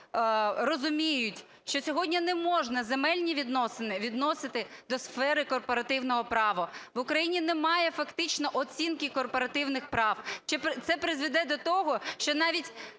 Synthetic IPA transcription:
rɔzʊmʲijʊtʲ | ʃt͡ʃɔsʲɔɦɔdʲnʲinɛmɔʒnɐzemɛlʲnʲiʋʲid̪nɔsɪnɪʋʲid̪nɔsɪt̪ɪd̪ɔsfɛɾɪkɔrpɔɾɐt̪ɪwnɔɦɔpɾɑʋɔʋʊkɾɐjinʲinɛmɑjɛfɐkt̪ɪt͡ʃnɔʔɔt͡sʲinkɪkɔrpɔɾɐt̪ɪwnɪxpɾɑwt͡ʃɪpt̪sɛpɾɪzʋɪd̪ɛd̪ɔt̪ɔɦɔʃt͡ʃɔnɑʋʲitʲ

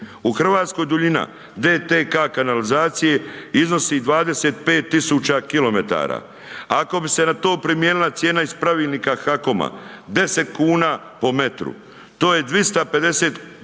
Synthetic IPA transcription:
uxr̩ʋaːt̪sko̞jd̪uʎina̰ | d̪eːt̪ekakanalizaːt̪sije̞izno̞siːd̪ʋaːd̪e̞set̪̚pe̞ːt̪ːisuːt͡ʃakilo̞me̞t̪a̰ːɾa̰ | ako̞bise̞nat̪o̞ːpɾimje̞ːnilˠat̪sje̞ːnaispɾaʋiːlʲˠniːkaxako̞ma̰d̪e̞se̞t̪kuːnaː | po̞me̞t̪ɾṵ | t̪o̞ːje̞d̪ʋist̪ape̞d̪e̞se̞ːt̪

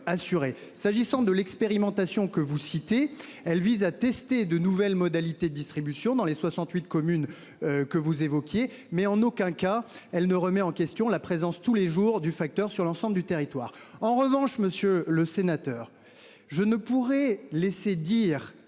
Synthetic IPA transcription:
asyʁe | saʒisɑ̃d̪əlɛkspeʁimɑ̃t̪asjɔ̃kəvusit̪e | ɛlvizat̪ɛst̪ed̪ənuvɛlmɔd̪alit̪ed̪əd̪ist̪χibysjɔ̃d̪ɑ̃leswasɑ̃t̪ɥit̪̚kɔmyn | kəvuzevɔkʲje | mɛɑ̃nokʲɛ̃kaɛlnəʁəmɛɑ̃kʲɛst̪jɔ̃lapχezɑ̃st̪uleʒuʁd̪yfak̚t̪œʁsyʁlɑ̃sɑ̃bləd̪yt̪eʁit̪wa̰ːʁɑ̃ʁəvɑ̃ʃməsjøləsenat̪œːʁ | ʒənəpuʁɛlesed̪iːʁ

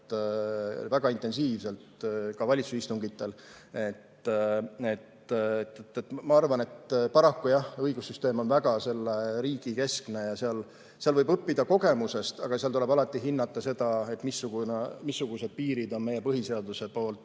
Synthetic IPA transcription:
væɡ̥ɑint̪e̞nsiːvse̞lt̪kɑvɑlʲit̪susist̪uŋɡit̪ːˑe̞l | e̞t̪ː | et̪t̪et̪ːmɑɑrvɑne̞t̪pɑɾɑkːujɑhɤjɡ̥usːyst̪e̞ːmo̞nvæɡ̥ɑse̞lːeɾiːɡ̥ike̞skne̞jɑseɑl | seɑlvɤjbɤpːid̪̥ɑko̞ɡe̞muse̞st̪ɑ̰ɡ̥ɑseɑlt̪ule̞bɑlɑt̪ːˑiɦinːɑt̪ːˑɑse̞d̪̥ɑe̞t̪ːmisːuɡ̥unemisːuɡ̥use̞d̪̥̚piːɾid̪o̞nme̞je̞pɤɦise̞ɑd̪use̞po̞ːlt̪ːˑ

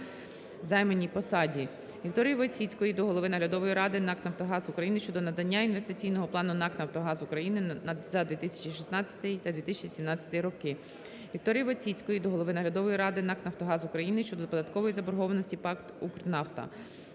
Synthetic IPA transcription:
zɑjmenʲːijpɔsɑdʲi | ʋʲikt̪ɔɾʲijʋɔt͡sʲit͡sʲkɔjid̪ɔɦɔlˠɔʋɪnɐɦlʲɐd̪ɔʋɔjiɾɑd̪ɪnɑknɐwt̪ɔɦɑzukɾɐjinɪʃt͡ʃɔd̪ɔnɐd̪ɐnʲːainʋe̞st̪ɪt͡sʲijnɔɦɔplˠɑnʊnɑknɐwt̪ɔɦɑzukɾɐjinɪnɐzɐd̪ʋʲit̪ɪsʲɐ̥t͡ʃiʃisnɑt͡sʲːɐ̥t̪ɪjt̪ɐd̪ʋʲit̪ɪsʲt͡ʃisʲimnɑt͡sʲɐ̥t̪ɪjɾɔkɪ | ʋʲik̚t̪ɔɾʲijʋɔt͡sʲit͡sʲkɔjid̪ɔɦɔlˠɔʋɪnɐɦlʲɐd̪ɔʋɔjiɾɑd̪ɪnɑknɐwt̪ɔɦɑzʊkɾɐjinɪʃt͡ʃɔd̪ɔpɔd̪ɐt̪kɔʋɔjizɐbɔɾɦɔʋɐnɔsʲtʲipɑkt̪ukɾnɑft̪ɐ̰

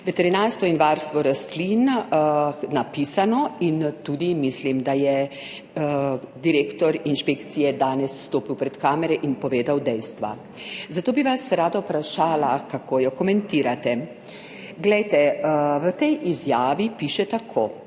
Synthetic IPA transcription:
ʋɛt̪ɛɾinaːɾst̪ʋɔinʋaɾst̪ʋɔɾast̪lin | napisanɔint̪ud̪imislimd̪ajɛ | d̪iɾeːkt̪ɔɾinʃpekt̪sijɛd̪aːnɛsːt̪oːpiwpɾɛt̪kaːmɛɾɛʔinpɔʋeːd̪awd̪ɛjst̪ʋa̰ | zat̪oːbiʋasɾaːd̪apɾaʃaːlakakʰoːjɔkɔmɛnt̪iːɾat̪ɛ | ɡlɛjt̪ɛʋət̪ɛjʔizjaːʋipiʃɛt̪akʰoː

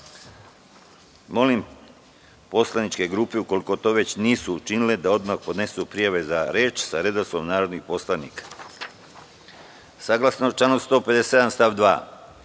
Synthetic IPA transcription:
mo̞lim | po̞slanit͡ʃke̞ɡɾuːpeuko̞liko̞t̪o̞ʋe̞t͡ɕniːsut͡ʃiniled̪ao̞d̪maxpo̞d̪ne̞supɾijaʋe̞zaɾeːt͡ʃsaɾed̪aso̞mnaːɾo̞d̪nixpo̞slˠaniːkḁ | saɡlˠasnot͡ʃlanost̪o̞ːped̪eseed̪anst̪aʋd̪ʋa̰ː

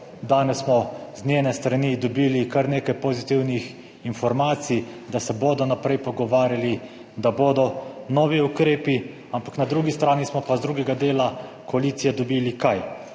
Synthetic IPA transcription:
d̪aːnɛsːmɔznʲeːnɛst̪ɾanid̪ɔbiːlikaɾneːkajpozit̪iwnix | infɔɾmaːt̪sid̪asɛboːd̪ɔnapɾɛjpɔɡɔʋaːɾjali | d̪aboːd̪ɔnɔːʋiukɾeːpi | ampaknad̪ɾuːɡist̪ɾaːnismɔpazd̪ɾuːɡɛɡad̪eːlakɔaliːt̪sijɛd̪ɔbilikaj

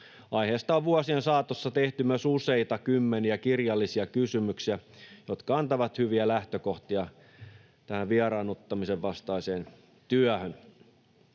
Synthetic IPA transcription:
ɑiheːst̪ɑːʋʋuɑsiensɑːt̪osːɑt̪eht̪ymøsuseit̪ɑkymːeniækirjɑlːisiɑkysymyksiæjot̪kɑɑnt̪ɑʋɑt̪hyʋiælæht̪økoht̪iɑ | t̪æhæʋʋiɑrɑːnot̪ːɑmiseʋʋɑst̪ɑiseːn | t̪yæhøn

